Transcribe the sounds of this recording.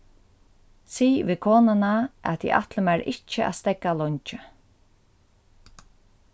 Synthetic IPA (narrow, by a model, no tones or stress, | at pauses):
siːʋiːkʰoːnanaʔæ̰t̪ʰḭʔa̰ht̪ləmæɾɪt͡ʃːɪæ̰st̪ɛkːalɔɲt͡ʃɪ